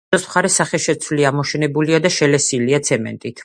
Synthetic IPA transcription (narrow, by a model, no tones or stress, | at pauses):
asmχaɾɛsaχɛʃɛt̪sʰvliamɔʃɛnɛbuliad̪aʃɛlɛsiliat̪sʰɛmɛ̰nt̪ʼit̪ʰ